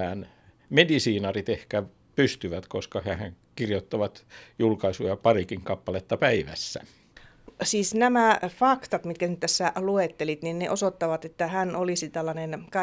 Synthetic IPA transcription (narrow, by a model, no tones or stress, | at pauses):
æːn | medisiːnɑrit̪ehkæ | pyst̪yʋæt̪koskɑhæhæŋ | kirjot̪ːɑʋɑt̪julkɑisujɑpɑrikiŋkɑpːɑlet̪ːɑpæiʋæ̰sːæ̰ | siːsnæmæfɑkt̪ɑt̪mit̪̚kænyt̪t̪æsːæluet̪ːelit̪ninnḛʔosot̪ːɑʋɑt̪et̪ːæhænolisit̪ælːɑnenkɑ